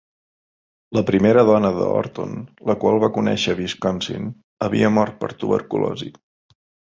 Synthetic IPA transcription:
ləpɾimeɾəðɔnəðə̰ɔ̰ɾt̪onləkwalˠβakunɛ̰ʃəβiskɔnsḭn | əβiəmɔɾt̪̚pəɾt̪uβə̰ɾkulɔ̰zḭ

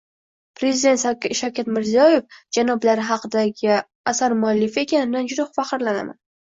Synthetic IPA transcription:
pɾe̞zid̪e̞nt̪ʃawkʲat̪mɪɾzijɒje̞fd͡ʒanɒblaɾɪɦɑqɨd̪aɡʲɪ | asaɾmʊalːɪfɪe̞kʲanɪd̪and͡ʒʊd̪aχʊfaχɨɾlana̰ma̰n

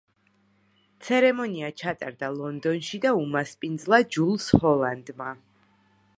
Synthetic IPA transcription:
t̪sʰɛɾɛmɔniat͡ʃʰat̪ʼa̰ɾd̪alˠɔnd̪ɔnʃid̪aumaspʼind̪zlˠad͡ʒulˠshɔlˠand̪ma

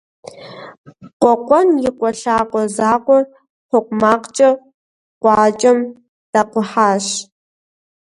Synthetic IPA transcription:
qʷɔqʷʼɔnjɪqʷɔɬaːqʷʼɔzaːqʷɔr | χʷɔqʷmaːqt͡ʃʼɐ | qʷɑːt͡ʃʼɐm | d̥aqʷʊħaːʃ

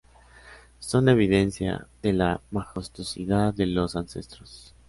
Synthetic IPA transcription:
so̞ne̞β̞iðe̞nsja̰ðe̞lamaxost̪osiðaðe̞lo̞sanse̞̰st̪ɾos

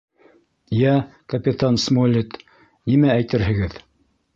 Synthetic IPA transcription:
jækɐpʲɪt̪ansmolʲit̪ | nimææjt̪ɘɾɦɘ̆ɡɘð

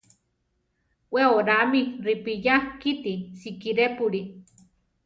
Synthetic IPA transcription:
weoɾamiripijahkit̪isikiɾepuɾi

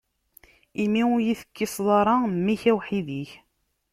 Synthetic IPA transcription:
imiʊɾjiθə̥kːisˤðˤɑɾˤɑmːiçæwħiðiç

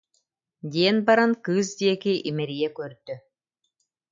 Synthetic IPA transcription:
d̪iɛnbaɾankɯːs̬d̪iɛkiʔimɛɾijɛkœɾd̪y

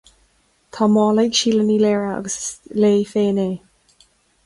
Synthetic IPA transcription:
t̪ʰɑːmɑːlɛjɡʃiːləniːleːɹaɑ̰ɡəsleːfeːneː

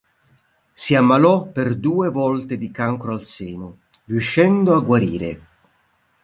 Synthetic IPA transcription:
siamːalɔperd̪uːevɔlt̪ed̪ikaŋkɾoalseːnʊ | riuʃːɛnd̪oaɡwaɾḭːɾe

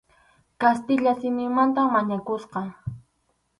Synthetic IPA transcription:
kast̪ɪʎasɪmɪŋmant̪amːaɲakʊsqɑ

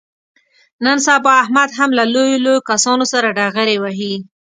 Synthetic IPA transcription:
nənsabɑahmad̪ɦamlalojolojokasɑnosaɾaɖaɣəɾewaɦi

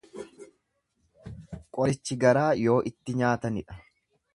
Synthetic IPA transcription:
kʼɔɾɪt͡ʃːɪɡɐɾaːjo̞ːʔɪt̪ːɪɲaːt̪ɐnɪᶑɐ̥

